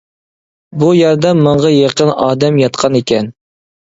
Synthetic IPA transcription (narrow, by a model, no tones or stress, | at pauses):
bujɛɾd̪ɛmːəɴʁɑjeqənɑːd̪ɛmjɑt̪qʰɑnekʲɛn